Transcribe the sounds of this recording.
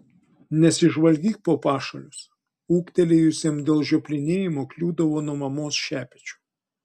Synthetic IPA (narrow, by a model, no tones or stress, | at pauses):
nʲɛsʲɪʒʋɐlʲɡʲiːk̚poːpɑːʃɐlʲʊs | uːkt̪ʲɛlʲejʊsʲemd̪ʲeːlˠʒʲoːpʲlʲɪnʲeːjɪmoːklʲuːd̪ɐʋoːnuɔmɐmoːsʃʲæːpʲɛt͡ʃʲʊ̥